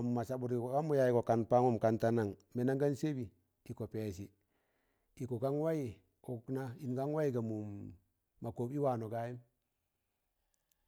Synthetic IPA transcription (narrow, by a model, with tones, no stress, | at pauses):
a˨m˨ma˨sa˦bu˨ɾi˨ko˨ɡa˦mu˦ja˨ji˨ko˨ka˨npa˦ŋu˦mka˨nta˦na˨ŋme˨˦na˦ŋɡa˦nse˦bi˨ | di˨ko˨peː˨si˨ | di˨ko˨ka˦ŋwa˦ji˦˨ | u˨kna˦i˨nɡa˦ŋwa˦ji˦ɡa˨mu˨ | ma˨koː˨bi˦wa˨no˨ɡa˦ji˦m